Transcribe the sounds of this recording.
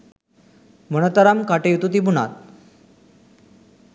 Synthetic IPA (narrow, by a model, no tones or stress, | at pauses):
mənət̪aɾamkaʈejut̪ut̪ibuna̰t̪̚